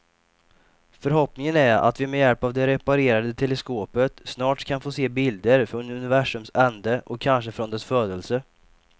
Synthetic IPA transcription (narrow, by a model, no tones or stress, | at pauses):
fœɾɦɔpnɪŋənæɾa̰t̪vɪmɛjɛlpavd̪ɛɾɛpaɾeːɾad̪ət̪ʰɛləskoːpət̪snɑːʈkʰanfoːseːbɪld̪əɾfɾɔnɵnɪvæʂɵmsɛnd̪əʔɔkʰːanʂəfɾɔnd̪ɛsfœːd̪əlsə